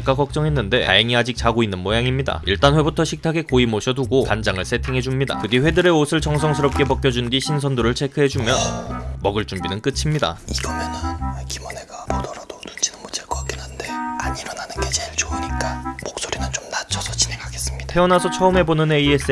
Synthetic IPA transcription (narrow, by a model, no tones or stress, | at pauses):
k͈akʌk̚t͡ɕ͈ʌŋɦe̞nːɯnde̞̰ta̰jeŋiad͡ʑik̚t͡ɕaɡoinːɯnmojaŋimɲida̰iɭt͈anɸwe̞butʰʌɕʰik̚tʰaɡe̞koimoɕʰʌduɡokand͡ʑaŋɯɭsʰe̞tʰeŋɦe̞d͡ʑumɲida̰kɯɡiɸwe̞dɯɾe̞osʰɯɭt͡ɕʌŋsʰʌŋsʰɯɾʌp̚k͈e̞pʌk͈jʌd͡ʑundiɕʰinsʰʌndoɾɯɭt͡ɕʰe̞kʰɯɦe̞d͡ʑumjʌnmʌɡɯɭt͡ɕ͈umbinɯnk͈ɯt͡ɕʰimɲida̰iɡʌmenɯnkimʌneɡapodʌɾad̥otund͡ʑʰinɯnmot͡ɕek͈oak͈enande̞aɲiɾʌnanɯnɡet͡ɕeɭt͡ɕouɲik͈amok̚s͈oɾinɯnt͡ɕomnat͡ɕʰʌsʰʌt͡ɕineŋʰaɡes͈ɯ̥mɲid̥apʰe̞ʌnasʰʌt͡ɕʰʌɯmɦe̞bonɯneies͈